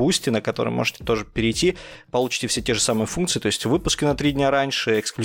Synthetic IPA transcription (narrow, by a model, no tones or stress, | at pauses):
usʲtʲɪnəkɐt̪o̞ɾɨ̰jmo̞̰ʐɨtʲɪ̥t̪o̞ʐɨpʲɪɾʲɪjtʲipɐlˠut͡ɕɪ̥tʲɪfsʲetʲe̞ʐɨsamɨjəfunkt̪sɨɪt̪o̞ɪsʲtʲvɨpʊskʲɪnɐt̪ɾʲidʲnʲaɾanʲʂɨɪksklʲ